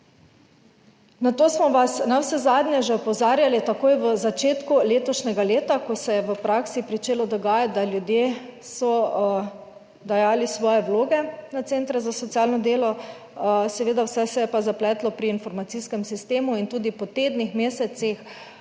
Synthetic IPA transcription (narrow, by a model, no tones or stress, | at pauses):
nat̪oːsmɔʋasnawsɛzaːd̪nʲɛʒɛɔpɔwzaːɾjalit̪akoːjʋəzat͡ʃeːt̪kuleːt̪ɔʃnʲɛɡaleːt̪akɔsɛjɛʋəpɾaksipɾit͡ʃeːlɔd̪ɔɡaːjat̪̚d̪aljud̪je | sɔ | d̪ajaːlisʋɔːjɛwloːɡɛnat̪sent̪ɾɛzasɔt̪iaːlnɔd̪eːlɔ | sɛʋeːd̪awsɛsɛjɛpazaplɛːt̪lɔpɾiːnfɔɾmat̪siskɛmsist̪eːmuint̪uːd̪ipɔt̪eːd̪nixmeːsɛt̪six